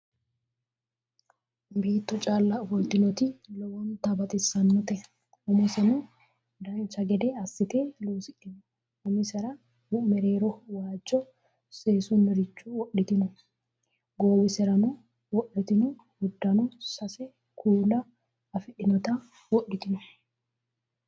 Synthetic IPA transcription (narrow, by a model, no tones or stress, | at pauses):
biːt̪ːɔt͡ʃʼaːlːɐbɔlt̪ɪnɔt̪ɪlɔwɔnt̪ɐbɐt̪ʼɪsːɐnːɔt̪ɛ | ʊmɪsɛnʊ | d̪ɐnt͡ʃːɐɡɛd̪ɛɐsːɪt̪eːloːsɪᶑɪn | ʊmɪsɛɾɐ | ʊmɛɾe̞ːɾɔwaːd͡ʒːɔ | seːsʊnːɔɾɪt͡ʃːuwɔʔːɪt̪ɪnɔ | ɡoːbɪsɛɾɐnʊ | wɔɗɪt̪ɪnʊ | hʊd̪ːɐnʊsɐsɛ | kʰuːlɐː | fɪᶑɪnɔt̪ɐ | wɔɗːɪt̪ɪnʊ